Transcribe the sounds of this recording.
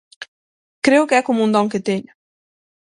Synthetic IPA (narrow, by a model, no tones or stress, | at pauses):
kɾewkɛkumund̪ɔŋket̪eɲ